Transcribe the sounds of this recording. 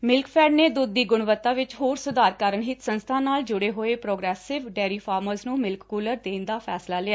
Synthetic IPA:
mɪlkpʰɛːɖneːd̪ʊd̪ːiːɡʊɳʋət̪ːaːʋɪt͡ʃɦoːɾsʊd̪aːɾkəɾəɳɦɪt̪sənst̪ʰãːnaːld͡ʒʊɽeːɦoːeːpɾoːɡɾɛːsɪʋɖɛːɾiːpʰaːɾməɾznũːmɪlkkuːləɾd̪eːnd̪aːpʰɛːslaːlɪaː

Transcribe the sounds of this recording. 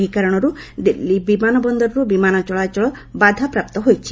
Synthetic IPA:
ɦikaɾɔɽ̃ɔɾud̪ilibimanɔbɔnd̪ɔɾɔɾubimanɔt͡ʃɔɭat͡ʃɔɭɔbad̪ʱapɾap̚t̪ɔɦojt͡ʃʰi̥

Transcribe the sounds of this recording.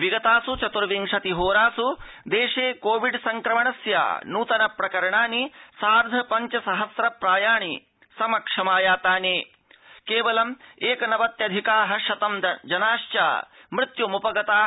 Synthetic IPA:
ʋiɡɐt̪aːsut͡ʃɐt̪uɾɐʋiŋʂɐt̪iɦoːɾaːsud̪eːʂeːkoːʋiɖsɐŋkɾɐmɐɳɐsja̰ːnuːt̪ɐnɐpɾɐkɐɾɐɳaːnisaːɾd̪ʱɐpɐɲt͡ʃɐsɐɦɐsɾɐpɾaːjaːɳi | sɐmɐkʂɐmaːjaːt̪aːneː | keːʋɐlɐmeːkɐnɐʋɐt̪jɐd̪ʱikaːɦɐ̆ʃɐt̪ɐmd͡ʒɐnaːʃt͡ʃa̰ːmɾɪt̪jumupɐɡɐt̪aː

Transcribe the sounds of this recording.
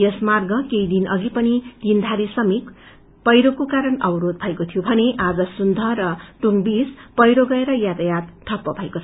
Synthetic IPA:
jʌsmarɡʌkeid̪inʌ̰ɡipʌnid̪̥ind̪ʱaɾisʌmik | pʌjɾokokaɾʌnʌwɾod̪̚bʱʌekot̪ʰijobʱʌneʔad͡zʌsund̪ʱʌɾʌʈuŋbispʌjɾoɡʌeɾʌjat̪ajat̪ʈ̪ʰʌpːʌbʱʌekot͡sʰʌ

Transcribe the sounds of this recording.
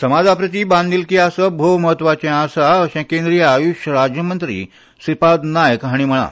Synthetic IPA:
səmad͡zʱapɾət̪ibãnd̪ilkiasəbʱowməɦət̪ːʋat͡ɕɛ̃ãsaəɕɛ̃kẽnd̪ɾijəajuɕjəɾad͡ʑjəmənt̪ɾḭː | sipad̪najəkɦaɽ̃im̤əɽ̃a̰

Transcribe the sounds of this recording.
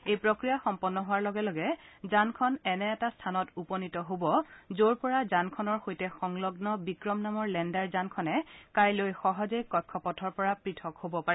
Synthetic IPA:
ejpɹokɹijaxɔmpɔnːɔɦʊwaɹlɔɡɛlɔɡɛzankʰɔnɛnɛːtastʰanɔtupɔnitɔɦobɔzoɹpɔɹazankʰɔnɔɹxojtɛxɔŋlɔɡnɔbikɹɔmnamɔɹlɛndaɹzankʰɔnɛkajlojxɔɦɔzejkɔkʰːɔpɔtʰɔɹpɔɹapɹitʰɔkhobɔpaɹi

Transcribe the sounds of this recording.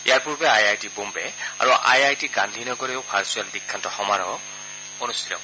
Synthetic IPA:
ḭjaɹpuɹbɛajajtibombɛa̰ɹuʔa̰jajtiɡanlinɔɡɔɹɛjopʰaɹsualdikʰːantɔxɔmaɹɔ | ɔnustʰilɔ̰w

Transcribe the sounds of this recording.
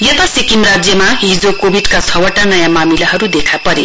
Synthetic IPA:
jʌt̪asikimrad͡zjʌmaɦid͡zokobʱiɖkat͡sʰʌwʌʈanʌjamamilaɦʌɾud̪ekʰapʌɾe

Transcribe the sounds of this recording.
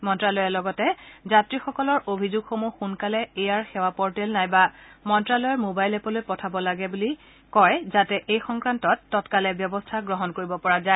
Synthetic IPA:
mɔntɹalɔjɛlɔɡɔtɛzatɹixɔkɔlɔɹobʱizuɡxomuxunkalɛejaɹxewapɔɹtɛlnajbamɔntɹalɔjɔɹmobajlɛpɔlojpɔtʰabɔlaɡɛbuli | kɔjzatɛʔejxɔŋkɹantɔtːɔtkalɛbjɔbɔstʰaɡɹɔɦɔnkoɹibɔpɔɹaza

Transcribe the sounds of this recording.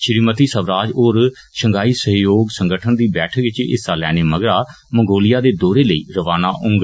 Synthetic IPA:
ʃɪɾiːmət̪iːsəʋɾaːd͡ʒoːɾ | ʃəŋɡaːiːsəɦjoːɡsəŋɡəʈʰənd̪iːbɛːʈʰəkʋɪt͡ʃɪ̰saːlɛːneːməɡɾaː | məŋɡoːlɪjaːd̪eːd̪ɔːɾeːləiːɾəʋaːnaːʔʊŋɡ

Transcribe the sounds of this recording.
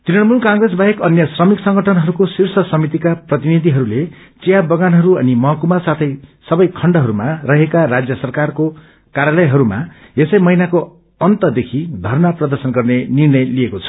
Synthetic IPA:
t̪inʌnmunkãŋɡresbaɦekʌnjʌsrʌmiksʌŋɡʌʈʰʌnɦʌɾukosirsʌsʌmit̪̬ikaprʌt̪inid̪ʱiɦʌɾule | t͡sijabʌɡanɦʌɾuʌ̰nimʌɦʌkumasat̪ʰʌjsʌbʌjkʰʌɳɖʌɦʌɾumarʌɦekarad͡zjʌsʌrkarko | kaɾjalʌjɦʌɾuma̰esʌjmʌɦinako | ʌnt̪ʌd̪ekʰid̪ʱʌrnaprʌd̪ʌrsʌnɡʌrnenirnʌjliekot͡sʰʌ̥

